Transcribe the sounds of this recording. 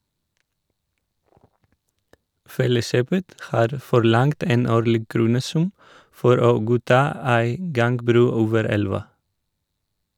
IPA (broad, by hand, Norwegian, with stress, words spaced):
ˈfɛləˌʃøːpət ˈhɑːɾ fɔɾˈlɑŋt ˈeːn ˈoːɾlɪɡ ˈkɾuːnəˌsʉm ˈfɔɾ ˈoː ˈɡuːˌtɑː ˈæɪ ˈɡɑŋɡbɾʉː ˈoːʋəɾ ˈɛlʋɑ